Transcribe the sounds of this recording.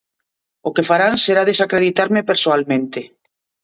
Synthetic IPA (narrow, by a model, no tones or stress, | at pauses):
ʊkefaɾaŋseɾaðesakɾeð̞it̪aɾmepeɾsoalmẽnt̪ɪ